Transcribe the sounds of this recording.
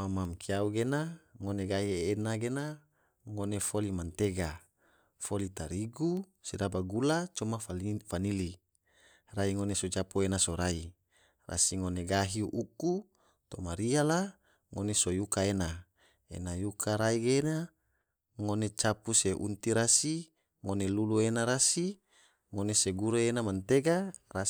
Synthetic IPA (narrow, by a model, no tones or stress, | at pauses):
mamamkiauɡenaŋoneɡaɦienaɡena | ŋonefolimant̪eɡa | folit̪aɾiɡusidabaɡulat͡ʃomaafanili | raiŋonesod͡ʒapoenasoɾai | ra̰siŋoneɡaɦiʔuku | t̪omaɾiala | ŋonesojukaena | ḛnajukʰaɾaiɡena | ŋonet͡ʃapuseʔṵnt̪iɾasi | ŋoneluluenaɾasi | ŋoneseɡuɾeenamant̪eɡara